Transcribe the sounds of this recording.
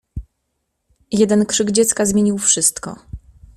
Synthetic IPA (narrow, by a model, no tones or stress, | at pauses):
jɛd̪ɛnkʂɘɡd͡ʑɛt̪skazmʲjeɲiwfʂɘst̪kɔ̰